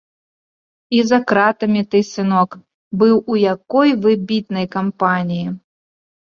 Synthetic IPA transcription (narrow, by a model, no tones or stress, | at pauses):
izɐkɾat̪ɐmʲit̪ɨsɨnɔk | bɨwujakɔjvɨbʲit̪nɐjkampanʲiji